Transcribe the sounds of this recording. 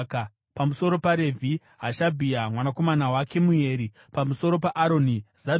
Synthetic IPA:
k | pamuso̞ɾo̞paɾe̞vʱi | ɦaʃabʱiamwanako̞manawake̞muje̞ːɾi | pamuso̞ɾo̞paʔaɾo̞niza

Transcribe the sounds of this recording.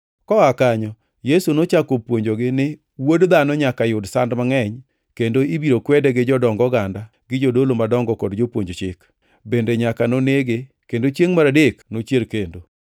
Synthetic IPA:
kɔakaɲɔ | jesunot͡ʃakopwoɲd͡ʒoɡɪnɪ | wodd̪anɔɲakajʊdsandmaŋɛɲ | kendoibiɾokwɛdɛɡɪd͡ʒɔdɔŋɡɔɡanda | ɡɪd͡ʒodolomadɔŋɡɔkɔdd͡ʒopwoɲd͡ʒot͡ʃɪk | bendeɲakanoneɡe | kendot͡ʃjeŋmaɾadeknot͡ʃjelkendo

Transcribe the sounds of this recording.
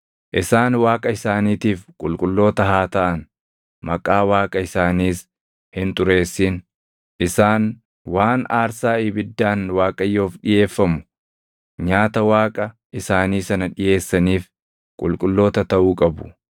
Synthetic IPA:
ʔɪsaːnwaːkʼɐɪsaːniːt̪iːfkʼʊlkʼʊlːo̞ːt̪ɐhaːt̪ɐʔɐn | mɐkʼaːwaːkʼɐɪsaːniːs | hɪnt̪ʊɾe̞ːsːɪn | ʔɪsaːn | waːnaːɾsaːɪbɪd̪ːaːnwaːkʼɐjːo̞ːfᶑɪje̞ːfːɐmʊ | ɲaːt̪ɐwaːkʼɐʔɪsaːniːsɐnɐᶑɪje̞ːsːɐniːf | kʼʊlkʼʊlːo̞ːt̪ɐt̪ɐʔuːkʼɐbʊ̥

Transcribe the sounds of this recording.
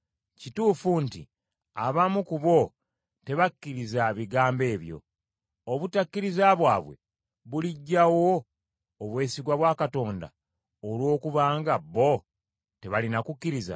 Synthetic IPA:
cituːfuntḭ | aβamukuβo̞ | te̞βakːiɾizaβiɡaːmbe̞ːβjo̞̰ | oβutakːiɾizaβwaːβwe̞̰ | βuliɟːawo̞ː | βwe̞ːsiɡwaβwaːkato̞ːnda̰ | olwo̞ːkuβaːŋɡabːo̞ | te̞βalinakukːiɾiza̰

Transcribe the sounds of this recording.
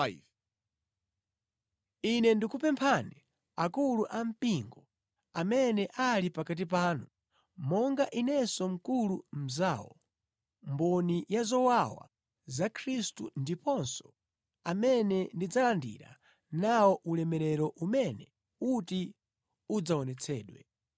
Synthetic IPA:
inɛndikupɛmpʰanɛ | akuluʔam̩piŋɡɔ | amɛnɛʔalipakat̬ip̬aːnu | mɔŋɡaʔinɛsɔm̩kulum̩za̰ːwɔ̰ | mbɔnijazɔwawa̰ | zakʰɾistṵndipɔnsɔ̥ | amɛnɛndid͡zalandḭɾa̰ | nawɔʔulɛmɛɾɛɾɔʔumɛnɛ | uti | ud͡zaɔnɛt͡sʰɛːɗwɛ̰

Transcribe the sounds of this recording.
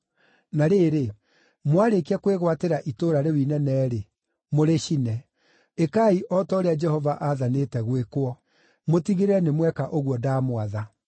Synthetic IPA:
naɾeːɾe | mwaɾekiakweɣwateɾaʔitoɾaɾewinɛnɛːɾe | moɾeɕinɛ | ekaiʔɔtɔɾead͡ʒɛhɔvaʔaðanetɛɣwekwɔ | motiɣeɾɛnemwɛkaʔoɣwɔdaːmwaða

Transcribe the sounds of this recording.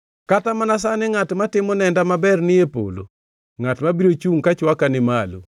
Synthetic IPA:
katamanas̬anɪŋatmatɪmɔnɛndamabɛrnɪjepo̰lo̰ | ŋatmabiɾot͡ʃuŋkat͡ʃwakanɪmalṵ

